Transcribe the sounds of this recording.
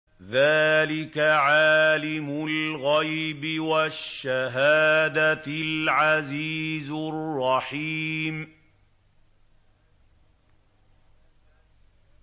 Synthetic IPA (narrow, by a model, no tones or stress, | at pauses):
ðaːlɪkaʕaːlɪmʊlɣajbɪwaʃːaɦaːd̪alʕaziːzrˤːɑħiːm